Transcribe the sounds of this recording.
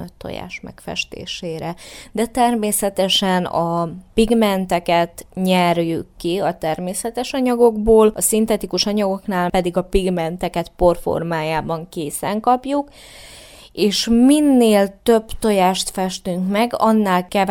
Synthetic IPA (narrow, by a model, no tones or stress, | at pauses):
øt̪ʰːo̰ja̰ːʃmɛ̰kfɛ̰ʃt̪ḛːʃeːɾɛd̪ɛt̪ɛrmeːsɛt̪ɛʃɛnɒpiɡmɛnt̪ɛkɛt̪ɲɛrjykːiɒt̪ɛrmeːsɛt̪ɛʃɒɲɒɡo̞ɡboːlɒsint̪ɛt̪ikuʃɒɲɒɡo̞knaːlpɛd̪iɡɒpiɡmɛnt̪ɛkɛt̪po̞rfo̰rmaːjaːbɒŋkeːsɛŋkɒpjuk | eːʃminːeːlt̪ø̞bt̪o̞jaːʃt̪fɛʃt̪yŋkmɛɡɒ̰nːaːlkɛ